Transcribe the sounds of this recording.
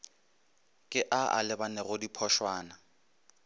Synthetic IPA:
kʼɪʔaa̰lɪbanɛɣʊdipʰɔʃwaːna

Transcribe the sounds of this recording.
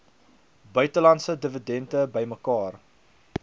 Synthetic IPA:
bœɥtəlɐntsədəvədɛntəbəjməkɑːr

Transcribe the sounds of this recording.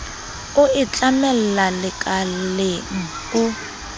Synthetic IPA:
ʊɪt͡ɬʼamɛl̩lalɪkʼalleŋ̩ | ʊ

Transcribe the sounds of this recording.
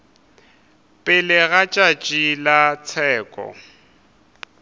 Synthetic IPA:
pʼɪlɪɣat͡ʃʼat͡ʃʼilat͡sʰɛːkʼɔ̰

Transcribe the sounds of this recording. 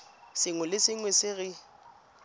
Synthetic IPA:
sɪŋwɛlɪsɪŋwɛsɪɣɪ

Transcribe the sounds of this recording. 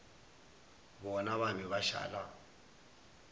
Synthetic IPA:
bɔnaβamiβaʃa̰ːla

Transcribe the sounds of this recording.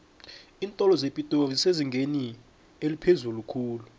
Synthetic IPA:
iːntʼɔlɔzepʼitʼoziseziŋɡʱeni | elipʰezulukʰuːlu

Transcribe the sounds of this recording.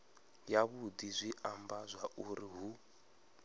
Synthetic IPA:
jaβudizʷiʔambazʷaʔuɾiɦu

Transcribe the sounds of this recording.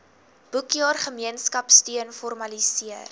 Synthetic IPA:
b̥ukjɑːrχəmiənskɐpstiənfɔrmɐlisiər

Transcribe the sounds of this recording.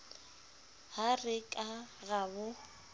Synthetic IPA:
harɪkʼaɣabʊ

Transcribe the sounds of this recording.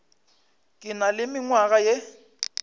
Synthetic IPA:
kʼɪnalɪmɪŋwaɣaje

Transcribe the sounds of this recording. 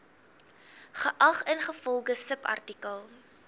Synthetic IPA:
χəʔɐχənχəfɔlˠɡəsəpɐ̰rtikəlˠ

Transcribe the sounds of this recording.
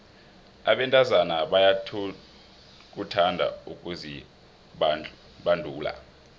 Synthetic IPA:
a̰ɓɛntʼazanaɓaja | k̬utʰandʱa̰ukʼuzi | ɓandʱuːla̰

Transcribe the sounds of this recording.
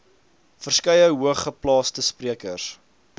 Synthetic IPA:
fərskɐjəɦuəχːəplɑːstəspriəkə̰rs

